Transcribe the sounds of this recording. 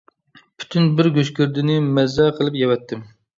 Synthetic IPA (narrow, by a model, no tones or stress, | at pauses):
pʰy̥t̪ʰynbɪɾɡʲøʃkʲyɾd̪ɪnɪmɛzɛqʰəlˠɨpjɛwɛt̪ʰːɪm